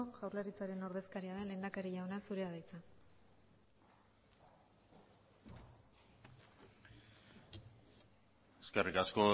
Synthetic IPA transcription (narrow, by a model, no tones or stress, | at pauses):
oʝawɾlaɾit͡saɾe̞no̞ɾðe̞skaɾiaðe̞nle̞ːnd̪akaɾiʝawnasuɾe̞aðajt͡sa | eskerikasko̞